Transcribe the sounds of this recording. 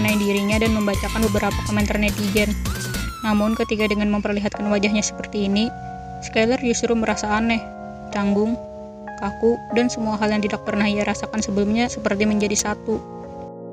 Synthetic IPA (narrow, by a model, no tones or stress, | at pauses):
ənaidiɾiɲadanməmbat͡ʃakanbəbəɾapakomɛnt̪arnedid͡ʒɛnː | amʊnkət̪ikadəŋanməmpərliɦat̪̚kanwad͡ʒaɦɲasə̥pərt̪iːni | skalərd͡ʒust̪ɾuməɾasaːnɛh | t͡ʃaŋɡʊŋ | kakudansəmuaɦaljaŋt̪̬idak̚pərnahijaɾasakansəbəlumɲasəpərt̪iməɲd͡ʒadisat̪u